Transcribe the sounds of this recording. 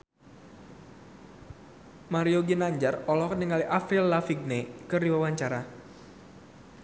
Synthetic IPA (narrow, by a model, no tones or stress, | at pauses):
maɾioɡinaɲd͡ʒarɔlɔkənəŋaliʔafɪlːafiɡ̚nekɨrdiwawaɲt͡ʃaɾa